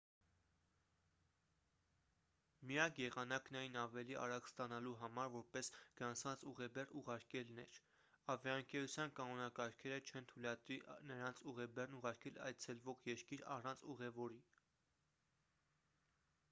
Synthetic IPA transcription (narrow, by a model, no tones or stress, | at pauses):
mijɑkʰjɛʁɑnɑknɑjinɑvɛliʔɑ̰ɾɑkst̪ɑnɑluɦɑmɑɾvɔɾpɛsɡ̥ɾɑnt͡sʰɑnt͡suʁɛbɛruʁɑɾkɛlnɛ̰ɾ | ɑvjɑəŋkɛɾut͡sʰjɑnkɑnɔnɑkɑɾkʰɛɾət͡ʃʰɛnt̪ʰulɑt̪ɾiʔnəɾɑnt͡sʰuʁɛbɛrnuʁɑɾkɛlɑ̰jt͡sʰɛlvɔʁjɛɾkiɾɑ̰rɑnt͡sʰuʁɛvɔɾi